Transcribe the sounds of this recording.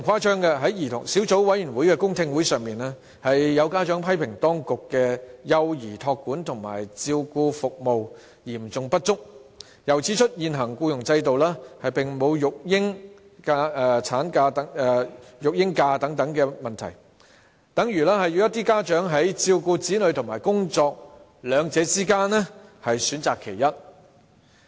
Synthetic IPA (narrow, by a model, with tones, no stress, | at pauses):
ŋkʰaː˥t͡ʃœː˥ŋkɛ˧ɦɐ˨˥jjiː˨˩t̪ʰʊ̰˨˩ŋsiː˨˥wt͡so˨˥wwɐ˨˥jyː˨˩nwuː˨˥jkɛː˧kʊ˥ŋt̪ʰɪ˧ŋwuː˨˥jsœː˨ŋmiː˨nɛː˥ | hɐ˨jːɐ˨˧wkaː˥t͡ʃœː˨˥ŋpʰɐ˥jpʰɪ˨˩ŋt̪ɔː˥ŋkʊ˨kːɛː˧jɐ˧wjiː˨˩t̪ʰɔː˧kːuː˨˥nt̪ʰʊ˨˩ŋma̰ː˨˩jt͡siː˧wkuː˧fʊ˨k̚mo˨w | jiː˨˩mt͡sʊ˨˧ŋpɐ˥t̚t͡sʊ˥k̚ | jɐ˨˩wt͡sʰiː˨˥t͡ʃʰɵ˥t̚jiː˨nɦɐ˨˩ŋkuː˧jʊ˨˩ŋt͡sɐ˧jt̪o˨wlaː˥hɐ˨jpɪ˨ŋmo˨˧wjʊ˨k̚jɪ˥ŋ | kaː˧ɛ˧t͡sʰaː˨˥nkaː˧t̪ɐ˨˥ɛ˨˧jʊ˨k̚jɪ˥ŋkaː˧t̪ɐ˨˥ŋt̪ɐ˨˥ŋkɛː˧mɐ˨nt̪ʰɐ˨˩j | t̪ɐ˨˥ŋjyː˨˩lɛː˥hɐ˨ji˨˧wjɐ˥t̪iː˥kaː˥t͡ʃœː˨˥ŋɦɐ˨˥jt͡siː˧wkuː˧t͡siː˨˥lɵ˨˧ɥt̪ʰŋmaː˨˩jkʊ˥ŋt͡sɔː˧k̚ | lœː˨˧ŋt͡sɛː˨˧˥t͡siː˥kaː˥nːɛ˥hɐ˨jsyː˨˥nt͡saː˨kʰːe˨˩jɐ˥t̚